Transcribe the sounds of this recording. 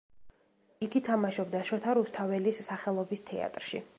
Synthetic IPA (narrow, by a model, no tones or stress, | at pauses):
iɡit̪ʰamaʃɔbd̪aʃɔt̪ʰaɾust̪ʰavɛlisːaχɛlˠɔbist̪ʰɛ̰a̰t̪ʼɾʃḭ